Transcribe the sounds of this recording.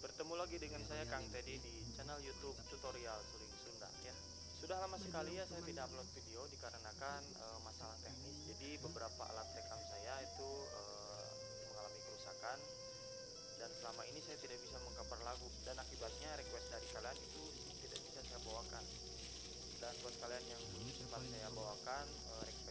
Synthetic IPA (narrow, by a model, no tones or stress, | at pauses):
bərt̪əmulaɡidəŋansajakaŋt̪ɛdidit͡ʃɛnɛljut̪ub̚t̪ut̪oɾialtulɪŋsunda̰hja | sudahlamasəkalijasajat̪idaplɔt̪̚fideodikaɾənakan | əmasalaht̪eknɪs̚d͡ʒadibəbəɾapa̰ʔa̰lat̪̚rekamsajait̪uəː | məŋalamipəɾusakan | dansəlamaʔinisajat̪idaʔ̚bisaməŋkəpərlaɡudanak̪̚ibat̪̚ɲaɾɛkwɛs̚daɾikalianit̪u | t̪ida̰ʔ̚bisasajabawakan | dant̪uasə̥kalianjaŋ | səbat̪̚sajabawakan | əɾɛkwɛ